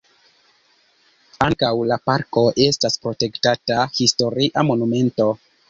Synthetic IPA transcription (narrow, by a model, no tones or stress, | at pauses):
aŋkawlapaɾko̞ʔe̞staspɾo̞te̞ktatahisto̞ɾiʔamo̞nume̞nto̞